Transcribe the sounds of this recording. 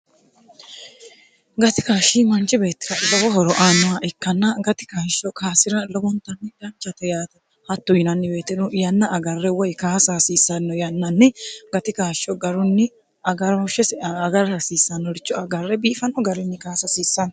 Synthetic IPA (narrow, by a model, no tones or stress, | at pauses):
ɡɐt̪ɪkaːʃimɐnt͡ʃɛbe̞ːt̪ːɪ̥ɾɐlɔbɔɦɔɾɔʔaːnːɔwaʔɪkːɐnːɐɡɐt̪ɪ̥kaːʃːɔkaːsɪɾɐlɔbɔnt̪ɐnːɪd̪ɐnt͡ʃːɐt̪ɛjaːt̪ɐ | hɐt̪ːʊjɪnɐnːɪbe̞ːt̪ːɛnɔjɐnːɐʔːɡɐrːɛwɔjkaːsasiːsːɐnːɔjɐnːɐnːɪɡɐt̪ɪkaːʃːɔɡɐɾʊnːɪ | ɐɡɐɾɔʃɛsɐɡɐɾɐsiːsːɐnːɔɾɪt͡ʃːɔɐɡɐrːɛbiːfɐnːɔɡɐɾɪnːɪkaːsɐsiːsːɐnɐ